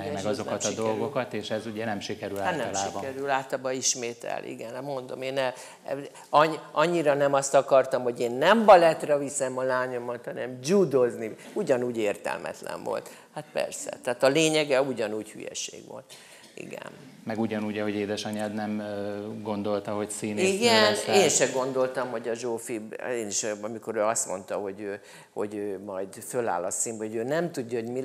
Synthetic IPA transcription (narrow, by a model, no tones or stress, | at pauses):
mɛjmɛɡɒzokɒt̪ɒd̪o̞lɡokɒt̪eːʃɛzuɟɛnɛmʃikɛɾylaanɛlaʃːbiɒkɛɾylaːt̪ɒbɒiʃmeːt̪ɛ̰lʔḭɡɛnmo̞nd̪o̞meːnɛ | ɒɒɲːiɾɒnɛmɒst̪ɒkɒrt̪ɒmho̞ɟeːnːɛmbɒlɛt̪rɛvisɛmɒlaːɲo̞mɒt̪hɒnɛmd͡ʒud̪ozniuɟɒnuːɟeːrt̪ɛ̰lmʔɛ̰t̪lɛ̰ɱvo̞̰lt̪ | hat̪pɛ̰rsɛ̰t̪ɛːt̪ɒleːɲɛɡɛuɟɒnuːchy̰jɛ̰ʃḛːɡʋo̰lt̪ | ḭɡɛ̰n | mɛɡuɟɒnuːɟɒɦo̞ɟeːd̪ɛʃɒɲaːd̪nɛmɡo̞nd̪o̞lt̪ɒɦo̞csiːniɡɛneːnʃɛɡo̞nd̪o̞lt̪ɒmho̞ɟɒʒoːfibeːniʃɒmiko̞ɾøːɒst̪mo̞nt̪ɒho̞ɟøː | ho̞̰ɟøːmɒjd̪føla̰ːlɒsimbhoɟøːnɛmt̪uɟːɒho̞ɟmi